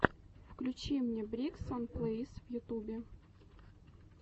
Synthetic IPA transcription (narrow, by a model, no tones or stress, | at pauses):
fklʲʉt͡ɕimnʲebɾʲiksanplˠəisvjʊt̪ubʲɪ